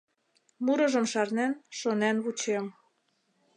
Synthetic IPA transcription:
muɾɤ̆ʒɤ̆mʃɑrnænʃonænβut͡ɕem

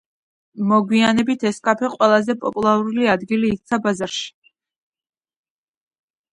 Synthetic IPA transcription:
mɔɡwianɛbit̪ʰɛskʼapʰɛqʼwɛlˠazɛpʼɔpʼulˠaɾuliad̪ɡiliːk̚ʰt̪sʰabazaɾʃi̥

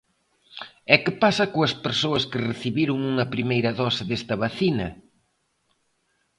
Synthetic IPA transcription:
ɛkɪpasɐkoɐspeɾsoɐskɪreθiβiɾuŋuŋɐpɾimejɾɐðɔsɪðest̪ɐβaθinɐ

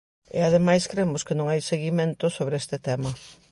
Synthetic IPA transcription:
ɪ̰aðemajskɾemʊskɪnõŋajseɣimẽnt̪ʊsoβɾɪest̪ɪt̪ɛmɐ

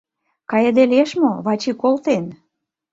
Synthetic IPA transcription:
kɑjə̆d̪eleʃmoβɑt͡ɕikolt̪en

